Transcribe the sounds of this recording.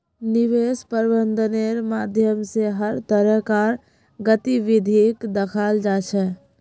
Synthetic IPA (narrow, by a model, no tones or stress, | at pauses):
niʋespəɾbənd̪ʱəneɾmad̪ʱjəmseɦəɾt̪əɾəɦkaɾ | ɡət̪iʋid̪ʱikd̪əkʰald͡ʒat͡ʃʰɛ